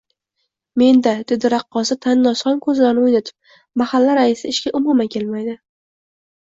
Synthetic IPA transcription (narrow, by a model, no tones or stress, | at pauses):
me̞nd̪ad̪ɪd̪ɪɾɑqːɒsɪt̪ʰanːɒsχɒnkʰɵzlaɾnɪojnat̪ʰɪ̥p̚ | mahalːaɾaɪsɪɪʃkʲaʔʊmʊmakʲʰe̞lmajd̪ɪ